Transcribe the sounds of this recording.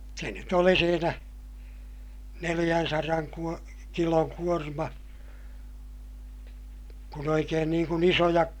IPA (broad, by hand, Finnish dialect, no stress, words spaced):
se nyt oli siːnæ nelij̆ænsɑrɑŋ kuo kiloŋ kuormɑ kun oikeːn niːŋ kun isojɑk